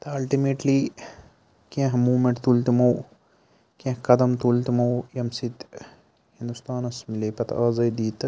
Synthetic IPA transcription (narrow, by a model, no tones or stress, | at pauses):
t̪ɐɐlʈimeːʈliː | kẽɦmuːmẽɳʈt̪ult̪imɐw | kẽhkɐd̪ɐmt̪ult̪imɐwjɐmsit̪ | hĩnd̪ust̪aːnɐsmileːpɐt̪aːzɐjd̪iːt̪